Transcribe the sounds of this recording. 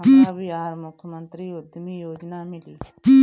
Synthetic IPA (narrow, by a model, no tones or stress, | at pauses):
ibiaɾmʊkmɐnt̪ɾiod̪imijoːd͡ʒnaːmili̥ | i